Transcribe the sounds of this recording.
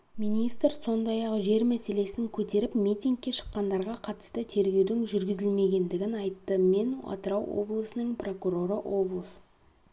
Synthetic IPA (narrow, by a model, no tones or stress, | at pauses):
minijst̪ɾso̞nd̪ɑjɑqʒe̞ɾmæse̞le̞sɪŋkʲʰɵt̪e̞ɾɪpmijt̪ʲiŋk̚kʲːe̞ʃə̥qːɑnd̪ɑɾʁɑqʰɑt̪ə̥st̪ət̪ʰe̞ɾɡʲe̞wd̪ɪŋʒʏɾɡʲɪzɪlme̞ɡʲe̞nd̪ɪɡʲɪnɑjt̪ːəme̞nwɑ̰t̪əɾɑwo̰blˠəsənəɴpro̞kuɾo̞ɾəʔwo̞blˠəs